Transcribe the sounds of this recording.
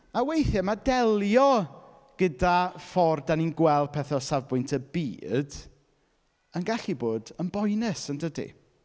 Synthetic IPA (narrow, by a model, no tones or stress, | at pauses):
awejθɛmadɛlˠjɔ | ɡ̥ədafɔrdaninɡwɛl̚ˠpʰɛθɔsavbʊjntʰəbḭːd̥ | ənɡaɬiboːdənbɔjnɪsəndədḭ